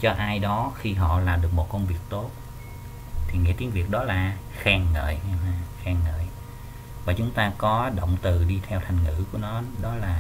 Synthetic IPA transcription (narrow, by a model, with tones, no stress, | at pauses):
t͡ɕɔ˧ʔaː˧jɗɔ˨˦xi˧ɦɔ̰˧˨laː˨˩ɗɨ˨˩ək̚mo˨˩t̚kə˧wŋ͡mvi˨˩ək̚t̪o˦˥t̚ | t̪ʰi˨˩ŋḭ˧˥t̪i˨˦ŋvi˨˩ək̚ɗɔ˨˦laː˨˩ | xɛː˧˩ŋːə̰ː˧˨jɲa˧aː˧xɛː˧ŋːə̰ː˧˨j | vaː˨˩t͡ɕʊ˨˦ŋ͡mt̪aː˧kɔ˨˦ɗo̰˧˨wŋ͡mt̪ɨ˨˩ɗi˧t̪ʰɛ˧wt̪ʰa˨˩jŋ̟ŋɨ̰˧˩˥ku˧˩ənɔ˨˦ɗɔ˨˦laː˨˩